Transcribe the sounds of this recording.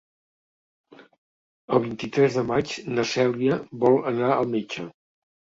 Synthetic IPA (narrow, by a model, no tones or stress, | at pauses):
əlˠβ̞int̪it̪ɾɛzðəmat͡ʃnəsɛliəβɔlˠənaəlˠmet͡ʃə